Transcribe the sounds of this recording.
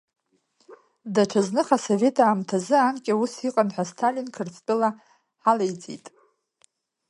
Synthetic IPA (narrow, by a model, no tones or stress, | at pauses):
daʈ͡ʂʰaznɨχaso̞ve̞tʰaːmtʰazɨankʲʼausiqʼanħʷastʰalinkʰɨrt͡sʰʼt͡pʼɨla | ħalejt͡sʼḭtʼ